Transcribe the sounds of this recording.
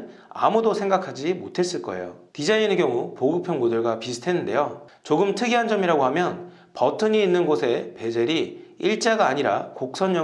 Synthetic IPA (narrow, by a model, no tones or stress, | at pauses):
n | a̰mudosʰe̞ŋɡakʰad͡ʑimotʰe̞s͈ɯɭk͈ʌ̰e̞̰jo̰tid͡ʑaineɡjʌŋupoɡɯpʰjʌŋbodɯɭɡapisʰɯ̥tʰenːɯnde̞̰jo | t͡ɕoɡɯmtʰɯɡiɦand͡ʑʌmiɾaɡoɦamjʌn | pʌtʰɯɲiːnːɯnɡosʰe̞pe̞d͡ʑeɾiiɭt͡ɕ͈aɡaːɲiɾa̰kok̚s͈ʰʌɲːʌ